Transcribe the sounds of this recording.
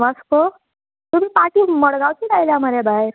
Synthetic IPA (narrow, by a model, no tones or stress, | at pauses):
masko | t̪umipaʈiːməɽɡawt͡sit̪ajlamaɾjabaeɾ